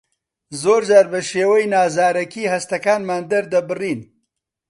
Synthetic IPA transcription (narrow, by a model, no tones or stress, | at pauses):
zoːɾd͡ʒaːɾbɐʃeːwɐjnaːzaːɾɐkiːhɐst̪ɐkaːnmaːnd̪ɐɾd̪ɐbɨriːn